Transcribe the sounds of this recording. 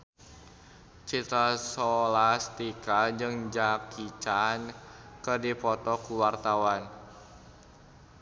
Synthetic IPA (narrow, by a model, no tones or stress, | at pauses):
t͡ʃit̪ɾasɔlast̪ikad͡ʒɨŋd͡ʒakʰit͡ʃan | kərdipɔt̪ɔkuwart̪awan